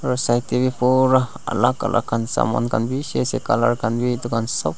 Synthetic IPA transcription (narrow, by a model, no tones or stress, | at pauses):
ɾosajt̪iβipuɾa | a̰lakalʔa̰kansa̰ma̰nkanbisesekalaɾkanbit̪ukansɔp̚